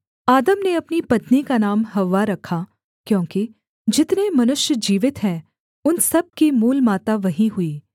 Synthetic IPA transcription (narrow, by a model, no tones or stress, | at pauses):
aːd̪əmneɐpnipɐt̪nikanaːmɦɐʋːaɾɐkʰːa | kjõːki | d͡ʒɪt̪nemɐnʊʃjəd͡ʒiːʋɪt̪ɦɛ̃ː | ʊnsɐb̚kimuːlmaːt̪aʋɐɦĩɦʊiː